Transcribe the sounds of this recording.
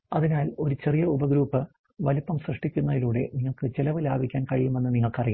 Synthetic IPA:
ɐðinaːlo̞ɾut͡ɕe̞rijɐubɐɡɾuːpːɨ | ʋɐlipːɐmsrɐʂʈikʲːunːɐðiluːɽe̞̰niŋːɐɭkɨt͡ɕelɐʋɨlaːbʱikʲːaːnkɐɻijume̞nːɨniŋːɐɭkɐriju

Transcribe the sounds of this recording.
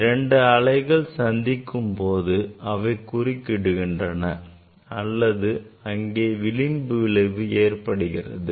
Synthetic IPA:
ɾɛɳɖɯɐɭɐɪɣɐɭsɐnd̪ɪkːɯmpoːðɯɐʋɐɪkʊrɪkːɪɽɯɣɪndrɐnɐ | ɐlːɐðɯɐŋɡeːʋɪlɪmbɯlɐʋɯeːrpɐɽɯɣɪrɐ̰ðɯ

